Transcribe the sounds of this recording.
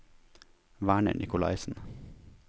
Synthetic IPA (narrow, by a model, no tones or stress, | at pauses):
ʋæːɳə̰ɳʔɪkʊlɑ̰ɪsn̩